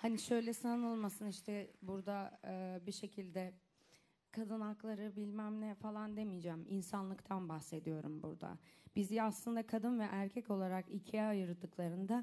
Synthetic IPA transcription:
haniʃø̞jlʲɛsannɯlˠmasɯniʃt̪ʰɛbuɾd̪aːbiʃe̞cʰilʲd̪ɛ | kʰad̪ɯnaklˠaɾɯbilʲmæmnʲɛfalˠand̪emijd͡ʒæːminsanlˠɯkt̪ʰanbahse̞d̪ijo̞ɾumbṵɾd̪a̰b̥izaslˠɯnd̪akʰad̪ɯnvɛʔæɾcʰɛco̞lˠaɾakicʰijaːjɯɾd̪ɯklˠaɾɯnd̪a

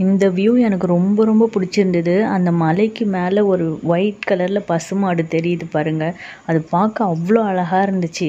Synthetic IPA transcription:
ɪnd̪ɐʋjuːɛnɐkːɯɾɔmbɐɾɔmbɐpʊɽɪt͡ʃːɪɾɯnd̪ɐðɯɐnd̪ɐmɐlɛɪkːɯmeːlɐɔɾɯʋɐɪʈkɐlɐɾɪlɐpɐsɯmaːɽɯt̪ɛɾɪjɐðɯpaːɾɯŋɡɐɐðɯpaːkɐ̃ɐʋːɐɭoːɐɭɐɣaːɪɾɯnd̪ɯt͡ʃːɯ

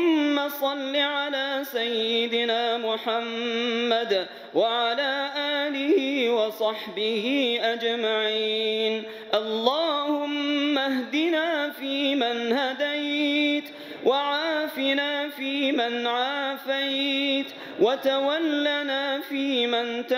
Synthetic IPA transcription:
ʊmːasˤɑlːiʕalaːsajːɪd̪ɪnaːmʊħamːad̪ | waʕalaːʔaːlɪhiːwɑsˤɑħbɪhiːʔad͡ʒmaʕiːn | ʔɑlˤːɑːhʊmːahd̪inaːfiːmanhad̪ajt̪ | waʕaːfɪnaːfiːmɪnʕaːfajt̪ | wʔat̪awalːanaːfiːmant̪

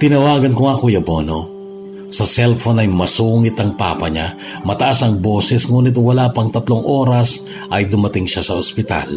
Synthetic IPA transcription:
t̪ɪnɐwaːɡɐnkʊŋɐkojɐbo̞no | sɐsɛlfonɐjmɐsuːŋɪt̪ɐŋpa̰ːpɐɲa | mɐt̪ɐʔasɐŋbo̞ːsɛsŋuːnɪt̪wɐlapɐŋt̪ɐt̪loŋʔo̞ːɾɐs | ʔɐjd̪ʊmɐt̪ɪŋʃasɐospɪt̪a̰l

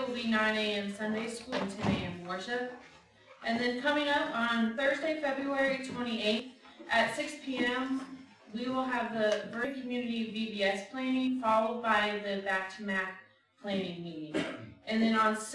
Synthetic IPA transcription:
l̩ˠbinãɪ̃neɪɨ̃nsʌ̃ndeɪskulˠɨ̃ntʰɛ̃neɪɨ̃nwɔɹʃɨ | ʔɨ̃nðɨ̃nkʰʌmɪ̃ŋʌpn̩θɜ˞zdeɪfɛbɹuɛɹitʰw̥ɛ̃ɾ̃ieɪ | ʔɨtsɪkspʰiɛ̃m | wiwɪlˠəvðəbɪ̃kʰmjʉnɨɾiʌvvibiɛspʰl̥æ̃ñɪ̃ŋfɑlˠoʊd̚baɪðɨbæk̚tʰɨmæk̚ | pʰl̥æ̃nɪ̃ŋmiɾɪ̃ŋʔɨ̃nðɨ̃nə̃ns

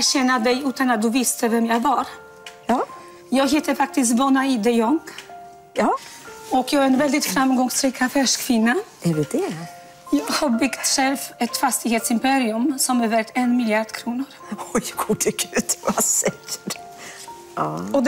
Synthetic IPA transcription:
ɕɛnːad̪ɛjʉ̟ːt̪anat̪̚d̪ɵvɪst̪ʰəvɛmjɑɡvaɾ | jɑːɡɦt̪əfak̚t̪ɪst̪vɔnaid̪ɛjɔŋː | ɔkjɑːaɾɛnvɛld̪ɪt̪fɾamɡɔŋsɾiːkʰafɛʂkʰvɪnːaɛɖɛd̪ɛ | jɑːɡhaɾbʏkt̪ʂɛlfɛt̪fast̪ɪɡheːt̪sɪmpɛɾɪɵmsɔmɛɾvɛɾk̚t̪ɛnmɪljaɖ̪kʰɾuːnʊɾɔjɡudɪkʰʉt̪vasɛkə̥ɾ | ɔd̪

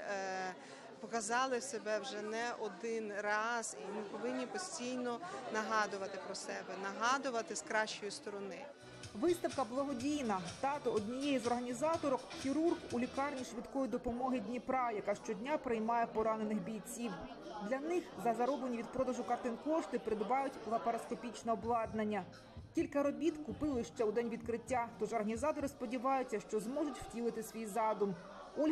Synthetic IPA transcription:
pɔkɐzɑlˠɪsebɛwʒɛnɛʔɔd̪ɪnrɑzimɪpɔʋɪnʲːipɔsʲtʲijnɔnɐɦɑd̪ʊʋɐt̪ɪpɾɔsɛbɛnɐɦɑd̪ʊʋɐt̪ɪskɾɑʃt͡ʃɔjust̪ɔɾɔnɪ | ʋɪst̪ɐwkɐblˠɐɦɔdʲijnɐt̪ɑt̪ɔɔd̪ʲnʲijɛjizɔrɦɐnʲizɑt̪ɔɾɔkxʲiɾurɣulʲikɑrnʲiʃʋʲid̪kɔjid̪ɔpɔmɔɦɪdʲnʲipɾɑjɐkɑʃt͡ʃɔdʲnʲapɾɪjmɑjɛpɔɾɑnenɪxbʲijt͡sʲiw | d̪lʲɐnɪxzɐzɐɾɔblenʲiʋʲid̪̚pɾɔd̪ɐʒʊkɐrt̪ɪnkɔʃt̪ɪpɾɪd̪ʋɑjʊtʲlˠɐpɐɾɐskɔpʲit͡ʃnɛɔblˠɑd̪nɐnʲːɐ | tʲilʲkɐɾɔbʲit̪kʊpɪlˠɪʃt͡ʃɛʊd̪ɛnʲʋʲid̪kɾɪtʲːat̪ɔʒɔrɦɐnʲizɑt̪ɔɾɪspɔdʲiʋɑjʊt͡sʲːɐʃt͡ʃɔzmɔʒʊtʲwtʲilˠɪt̪ɪsʲʋʲijzɑd̪ʊm | ɔlʲ

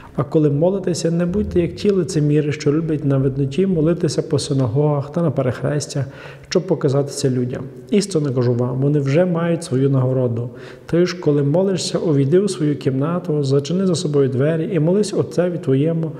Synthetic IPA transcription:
ɐkɔlˠɪmɔlˠɪt̪ɪsʲɐnɛbud̚ʲt̪ɛjɐk̚tʲʰilˠɪt̪sʲɪmʲiɾɪʃt͡ʃɔlʲubʲjɐt̚ʲnɐʋɪd̪nɔtʲimɔlˠɪt̪ɪsʲɐpɔsɪnɐɦɔɦɐxt̪ɐnɐpeɾexɾɛ̰sʲtʲɐx | ʃt͡ʃɔb̚pɔkɐzɑt̪ɪ̥sʲɐlʲudʲɐ̰m | ist̪ɔnɐkɐʒuʋɑmʋɔnɪwʒɛmɑjʊtʲsʋɔjunɐɦɔɾɔd̪ʊ | t̪ɔjʃkɔlˠɪmɔlˠɪʃsʲɐʔɔʋʲid̪ɪwsʋɔjukʲimnɑt̪ʊzlˠɔt͡ʃɪnɪzɐsɔbɔjʊd̪ʋɛɾʲiimɔlˠɪsʲɔt̪sɛʋʲit̪ʋɔjɛmʊ

